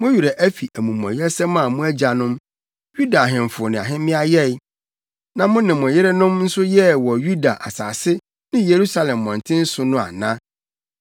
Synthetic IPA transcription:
mʊ̃˦ɥu˨ɾɛ˨ʔæ˦fi˨ʔæ˨mũ˨m˨ɔ̰̃˨jɪ˦ɾɛ˦sɛ˦mã˦˨mũ˦æ˦d͡ʑa˨nʊ̃˦m | ju˦da˨ɦɪ̃˨ɱ˨fʊ˨ɔ˨nɪ̃˨a̰˨ɦɪ̃˦mɪ̃˦a˦jɛ˦˨j | nã˨mʊ̃˦nɪ̃˨mʊ̃˨jɪ˦ɾɛ˦nʊ̃˦mn̩˦sʊ˦jɛ˦wɔ˨ju˦da˨ʔa̰˨sa̰ː˨sɪ˦ | nɪ̃˦je˨ɾu˦sa˨lɛ̃˨mːɔ̃˨n˨tʰɪ̃˦n̩˦sʊ˨nʊ̃˦a̰˨nã˦

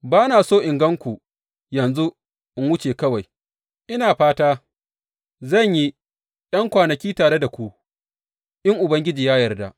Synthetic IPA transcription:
baː˦naː˨soː˦ʔɪ˨ŋɡɐ˦ŋkʷu˨ | jɐ˨nzu˦ | ʔɪ˦ŋwʊ˦t͡ʃeː˨kɐ˦wa˨j | ʔɪ˦naː˨ɸaː˦taː˦ | zɐ˦˨ɲji˦ | ɗɐ˦ŋkʷaː˨nɐ˨kʲiː˦taː˨ɽe˦da˨kʷu˦ | ʔɪ˦ŋʔʊ˨bɐ˦ŋɡʲɪ˦d͡ʒiː˨jaː˦jɐ˨rda˦ʔ

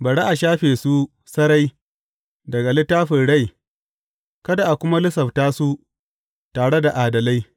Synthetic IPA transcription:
bɐ˨ɽe˦ʔa˨ʃaː˦ɸeː˨su˦ | sɐ˦ɾa˦j | dɐ˨ɡa˨lɪ˦tːaː˦ɸɪ˨ɽa˦j | kɐ˦da˨ʔa˨kʷʊ˦ma˦lɪ˦sɐ˨ɸtaː˦su˦ | taː˨ɽe˦da˨ʔaː˨dɐ˨la˦j

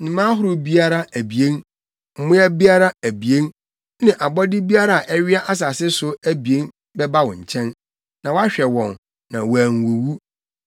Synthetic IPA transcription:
nɪ̃˨mã˦ɦʊ˦ɾʊ˦bi˦a˦ɾa˦æ˨bi˨ẽ˦n | m̩˨mʊ̃˦æ˦bi˦a˦ɾa˦æ˨bi˨ẽ˦n | nɪ̃˨ʔa˨bɔ˦dɪ˦bi˦a˦ɾa˨a˨ʔɛ˦ɥɪ˦a˦ʔa˦s̬a˨sɪ˦sʊ˦æ˦bi˨e˦n | bɛ˦ba˦wɔ̃˨ɲ̩˨t͡ɕʰɛ̃˦n | nã˨wa˦ɕᶣɛ˨wɔ̃˨n | nã˨wæː˨ŋ˨wo˨wu˦

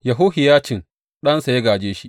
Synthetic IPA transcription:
jɐ˨ɦʊ˦hɪ˨jaː˦t͡ʃɪ˨ŋ | ɗɐ˦nsa˨je˦ɡaː˨d͡ʒeː˦ʃi˦ʔ

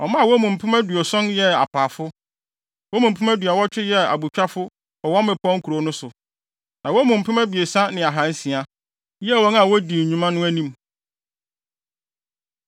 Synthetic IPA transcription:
ɔ˨mã˦˨wɔ˦mũ˨m̩˨pʰʊ̃˦mæ˦du˨ɔ˨sɔ̃˦njɛ˦a̰˨pʰaː˨fʊ˦ | wɔ˦mũ˨m̩˨pʰʊ̃˦mæ˦dɥa˨wɔ˦t͡ɕᶣɪ˦jɛ˦a̰˨bu˨t͡ɕᶣa˦fʊ˦ | ɔ˨wɔ˦mɪ̃˨pʰɔ̃˦ŋ̩˦kʰu˨ɾo˨˦nʊ̃˦sʊ˨ | nã˨wɔ˦mũ˨m̩˨pʰʊ˦mæ˦bi˨e˨sã˦nɪ̃˨a˨ɦã˨˦n˦sĩ˨a˦ | jɛ˦˨wɔ̃˦na˦˨wɔ˦di˨ũ˦mã˦nʊ̃˦æ˦nĩ˦m

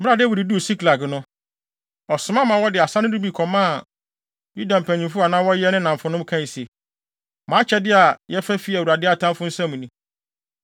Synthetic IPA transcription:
m˦ɾa˨dɪ˦wi˨ɾi˨du˦o˨si˦kla˨knʊ̃˦ | ɔ˨sʊ˨˦mã˦mã˨˦wɔ˦dɪ˨a˨sa˦nʊ̃˦du˦bi˨kʰɔ˨mãː˦˨ | ju˦dã˨m̩˨pʰæ̃˨ɲĩ˨fʊ˦a˨nãː˦wɔ˦jɛ˦nɪ̃˦nã˨ɱfʊ̃˨nʊ̃˦m˦kʰã˦˨se˨ | mãː˨˦t͡ɕʰɛ˦dɪ˦a˨jɛ˦fæ˦fi˦æ˨u˨ɾa˨dɪ˦a˨tʰã˦m˦fʊ̃˦n̩˦sã˦mũ˨nĩ˦

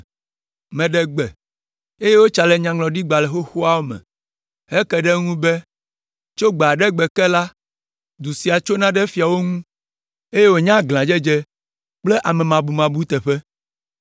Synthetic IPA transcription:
mɛ̃˨ɖɛ˨ɡ͡bɛ˨ | e˦je˦wo˦t͡ʃa˨lɛ˨ɲã˨ŋlɔ̃˨ɖi˦ɡ͡ba˨lɛ˨xo˦xu˦a˦wo˦mɛ̰̃˨ | ɦɛ˦kɛ˨ɖɛ˦ŋũ˦bɛ˦ | t͡ʃo˦ɡ͡ba˨ɖɛ˦ɡ͡bɛ˨kɛ˦la˦ | d̪u˨si˨a˨t͡ʃo˦nã˦ɖɛ˦fi˨a˨wo˦ŋũ˦ | e˦je˦wo˨ɲã˦ɡl̃ã˨d͡ʒɛ˦d͡ʒɛ˦ | k͡ple˦ʔa˨mɛ̃˨mã˨bu˨mã˨bu˦t̪ɛ˨ɸɛ˦

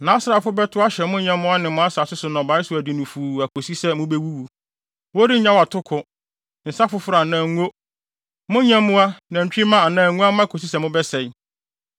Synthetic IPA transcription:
nã˨˦sɾa˨fʊ˦bɛ˦tʰʊ˦a˦ɕɛ˨mʊ̃˦ɲã˦mmʊ̃˦a˦nɪ̃˨mʊ̃˦a˦sa˨sʊ˦sʊ˨nɔ̃˨ba˨˦ɪ˦sʊ˨æ˨di˨nʊ̃˨fuː˨æ˨kʰo˨si˦sɛ˦mʊ̃˦be˦wu˦wu˨ | wo˦di˦ɲã˦wa˨tʰʊ˦kʰʊ˨ | n̩˨sa˦fʊ˦fʊ˦ɾa˨nã˨ŋ˦o˦ | mʊ̃˦ɲã˦mː˦ʊ̃˦a˦nã˨t͡ɕᶣi˦mã˦a˨nãː˦˨˦ŋũ˦a˦mã˦˨kʰo˨si˦sɛ˨mʊ̃˦bɛ˦sɛ˨j

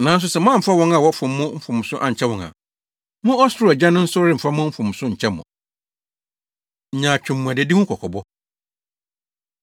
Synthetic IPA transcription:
nã˨n̩˦s̬ʊ˦sɛ˨mã˦˨fa˦wɔ̃˦ŋa˨wɔ˦fʊ̃˨mːʊ̃˦m̩˦fʊ̃˨m˨sʊ̃˦ʔa̰˨ɲ̩˨t͡ɕʰɛ˦wɔ̃˨ŋa̰˨ | mʊ̃˦ɔ˦sʊ˦ɾʊ˦˨ɛ˨d͡ʑã˦nʊ̃˦n̩˦sʊ˦ɾɪ˦m̩˨fa˦mʊ̃˦m̩˦fʊ̃˨m˨sʊ̃˦ɲ̩˨t͡ɕʰɛ˦mːʊ̰̃˨ | ɲ̩˨ɲã˨t͡ɕᶣʊ̃˨mːũ˨a˨dɪ˨di˦ŋʊ̃˦kʰɔ˨kʰɔ˨bɔ˦

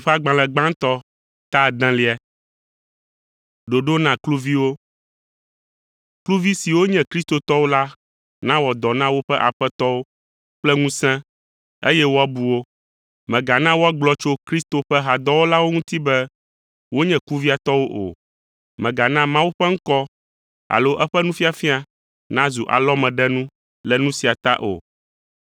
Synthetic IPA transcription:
ɸa˦ɡ͡bã˨lɛ̃˨ɡ͡bã˦ŋ̩˦t̪ɔ˦ | t̪a˦˨d̪ã˦li˦ɛ˦ | ɖo˨ɖo˦nã˨klu˦vi˦wo˦ | klu˦vi˦si˨wo˦ɲɛ̃˨kɾi˦st̪o˨t̪ɔ˦wo˦la˦ | nã˦wɔ˨d̪ɔ˨nã˦wo˦ɸɛ˦ʔa̰˨ɸɛ˦t̪ɔ˦wo˦ | k͡plɛ˦ŋũ˦sɛ̃˦ | ḛ˦jɛ˦wo˦a˦bu˨wo˦ | mɛ̃˨ɡa˨nã˦wo˦a˦ɡ͡blɔ˦t͡ʃo˦kɾi˦st̪o˨ɸɛ˦ɦa˨d̪ɔ˦wo˦la˦wo˦ŋũ˦t̪i˦bɛ˦ | wo˦ɲɛ̃˨ku˦vi˦a˨t̪ɔ˦wo˦ʔo̰˨ | mɛ̃˨ɡa˨nã˦mã˦wu˦ɸɛ˦ŋ̩˦kɔ˦ | a̰˨lo˦ʔɛ˦ɸɛ˦nũ˦fi˦a˨fi˦a˦ | nã˦zu˨ʔa̰˨lɔ˦mɛ̃˨ɖɛ˦nũ˦ | lɛ˨nũ˦si˨a˨t̪a̰˦ʔo̰˨

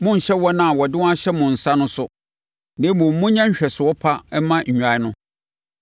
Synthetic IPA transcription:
mʊ̃˦ɲ̩˨ɕɛ˦wɔ˦nã˦˨wɔ˨dɪ˦wɔ̃˦a˦ɕɛ˦mʊ̃˨n̩˨sa˦nʊ̃˦sʊ˨ | nɪ̃˦mũ˨m̩˦mʊ̃˦ɲã˦ɲ̩˦ɕᶣɛ˨sʊ˨wɔ˦pʰa˦ɛ˦mã˦ɲ̩˨ɲᶣ˨a˨ɪ˦nʊ̃˦

